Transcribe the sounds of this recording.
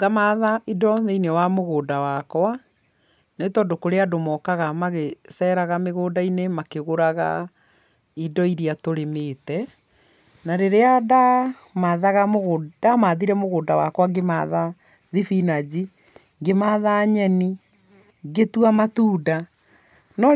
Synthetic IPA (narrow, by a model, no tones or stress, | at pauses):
ɡamaðaʔidɔneinewamoɣoːdawakwa | netɔːdokoɾeadomɔːkaɣamaɣesɛɾaɣameɣoːdainemakeɣoɾaɣa̰ | idɔiɾiatoɾemetɛ | naɾeɾeada | maðaɣamoɣodamaːðiɾɛmoɣoːdawa̰kwaɡema̰ða | ðifinad͡ʑi | ŋɡemaːðaɲɛni | ɡetuamatuːda | nɔ